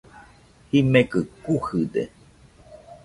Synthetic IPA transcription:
himẽkɨkuhɨd̪ḛ

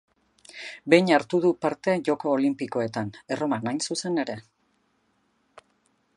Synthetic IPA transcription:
be̞jɲaɾt̪uð̞upaɾt̪e̞ʝo̞ko̞ːlimpiko̞e̞t̪ane̞ro̞manajnsuse̞ne̞ɾe̞

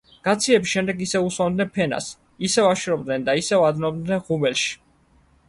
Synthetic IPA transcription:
ɡ̥at̪sʰiɛbisʃɛmd̪ɛɡisɛuswand̪nɛnpʰɛna̰s | isɛvaʃɾɔb̚d̪nɛnd̪aisɛvad̪nɔbd̪nɛnʁubɛlʃi̥

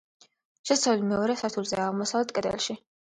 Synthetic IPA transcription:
ʃɛst̪sʰavlimɛɔɾɛsaɾt̪ʰulzɛaʁmɔsavlɛt̪̚ʰkʼɛd̪ɛ̰lˠʃi

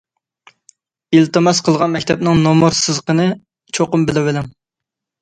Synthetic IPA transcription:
ilt̪ɨmɑsqʰəlˠʁɑnmɛkʲt̪ʰɛp̚nɪŋnomuɾsɨzqənɨ | t͡ʃʰoqʊmbɪlɪwɪlɪŋ

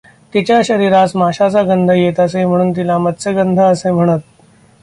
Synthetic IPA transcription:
t̪it͡ɕjaɕəɾiːɾat͡smaɕat͡saɡənd̪ʱəjet̪asẽm̤əɽ̃uːnt̪̬ilamət̪̚t͡seɡənd̪ʱaəsẽm̤əɽ̃ət̪̚

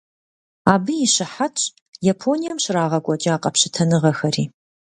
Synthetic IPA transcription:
aːbɨjɪɕɪħatʼ | japʰonijɐmɕraːʁɐɡʷʼɔt͡ʃʼɐaːqʼɐpɕɪtʰɐnɨʁɐxɐriː

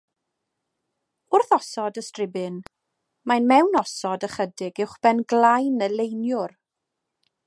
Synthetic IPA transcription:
ʊrθɔsɔdəstrɪbɨn | majnmɛwnɔsɔdəχədɪɡɪwχb̥ɛnɡlˠajnəlejnjʊr

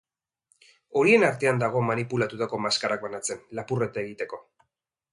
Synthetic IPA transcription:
o̞ɾie̞naɾt̪e̞and̪aɣ̞o̞manipulat̪ut̪ako̞maskarak̚banat͡se̞nlapure̞t̪ae̞ɣit̪e̞ko̞

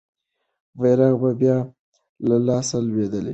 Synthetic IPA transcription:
veɾɑɣbabjɑ | lalɑsalwed̪əlḛ

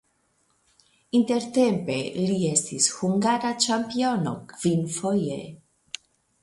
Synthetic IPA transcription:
int̪e̞ɾt̪empe̞liest̪ishuŋɡaɾat͡ʃampio̞nokv̥infojḛ

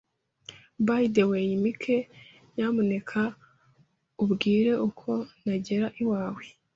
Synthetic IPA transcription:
baidewejimikʰe̞ | jaːmune̞kʰa | ubɡiːɾe̞ʔukʰo̞naɟe̞ɾaʔiwaːwe

